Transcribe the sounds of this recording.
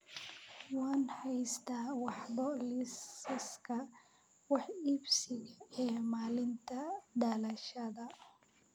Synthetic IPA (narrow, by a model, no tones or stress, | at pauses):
wɑːnhɛjst̪ʰaːwɑħbɔlɪsɪskʰɐ | wɑħiːbsɪɡɛːmaːlɪnt̪ʰɐɖɐlɐʃɐðɐ